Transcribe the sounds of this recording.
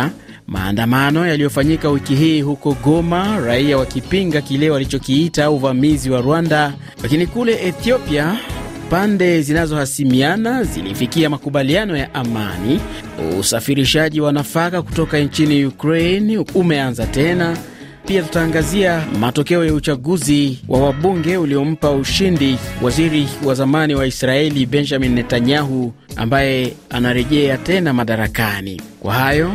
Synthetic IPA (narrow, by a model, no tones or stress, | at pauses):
ma̰ːndamanɔjalijɔfaɲikawikiɦiːhukɔɠɔmaɾaiawakipiŋɡakilɛwalit͡ʃɔkiitauvamiziwaɾwanda | lakinikulɛʔɛθiɔpia | pandɛzinazɔhasimianazḭlḭfikiamakuɓalianɔjaʔama̰ni | ṵsafiɾiʃaʄiwanafakaku̥tɔkaɛnt͡ʃinijukɾɛjnumɛanzatɛna | piatu̥taːŋɡaziamatɔkɛɔjaut͡ʃaɠuziwʔa̰waɓuŋɡɛuliɔm̩pauʃindiwʔaziɾiwazamaniwaisɾaɛliɓɛnd͡ʒaminːɛtaɲaɦu | a̰mbajɛanaɾɛʄɛatɛnamaɗaɾakanḭkwa̰hajɔ